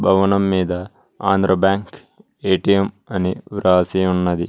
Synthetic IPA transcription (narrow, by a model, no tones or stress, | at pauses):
bʱɐʋɐnɐmːiːd̪ɐ | a̰ːnd̪ɾɐbjaːŋk | eːʈijem | ɐniʋɾaːsijunːɐd̪i